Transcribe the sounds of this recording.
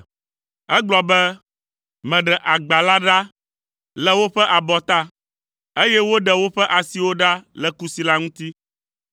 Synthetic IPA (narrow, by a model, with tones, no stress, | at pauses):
ɛ˦ɡ͡blɔ˨bɛ˦ | mɛ̃˨ɖɛ˨ʔa˨ɡ͡ba˨la˦ɖa˦ | lɛ˨wo˦ɸɛ˦ʔa˨bɔ˨t̪a˦ | e˦jɛ˦wo˦ɖɛ˨wo˦ɸɛ˦ʔa˨si˦wo˦ɖa˦lɛ˨ku˦si˨la˦ŋũ˦t̪i˦